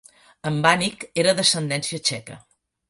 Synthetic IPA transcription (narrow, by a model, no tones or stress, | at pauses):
əmbanikeɾəðəsənd̪ɛnsiət͡ʃɛkə̰